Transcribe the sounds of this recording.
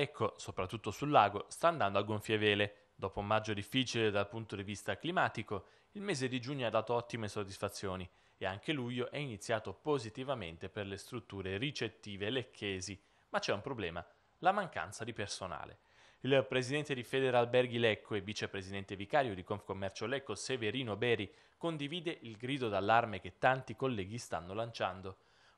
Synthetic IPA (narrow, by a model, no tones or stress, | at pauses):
ɛkːosopɾat̪ːut̪ːosulːaːɡost̪aːnd̪and̪oaɡoɱfjevɛːle | d̪ɔːpoumad͡ʒːod̪ifːiːt͡ʃiled̪alpunt̪od̪ivist̪aklimaːt̪iko | ilmɛːzed̪id͡ʒuɲːoad̪ːaːt̪oɔt̪ːimesod̪ːisfat̪sːjoːni | eaŋkelujoʔɛinit̪sːjaːt̪opozit̪ivamḛnt̪eperlest̪ɾut̪ːuːɾerit͡ʃet̪ːiːvelekʰːeːzi | mat͡ʃːɛumpɾoblɛːma | lamaŋka̰nt̪sad̪ipersona̰ːlḛ | ilpɾezid̪ɛnt̪ed̪ifɛd̪eɾalbɛrɡilɛkʰːoevːit͡ʃepɾezid̪ɛnt̪evikaːɾjod̪ikonfkomːɛrt͡ʃolɛkːoseveɾiːnobɛːɾi | kond̪iviːd̪eʔilɡɾiːd̪od̪alːarmek̟et̪ːant̪ikolːɛːɡist̪a̰nːolant͡ʃand̪o